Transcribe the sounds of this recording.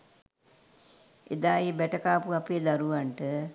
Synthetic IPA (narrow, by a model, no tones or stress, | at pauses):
ʔḛd̪aːibɛʈəkaːpuapeːd̪aɾuʋaɳʈə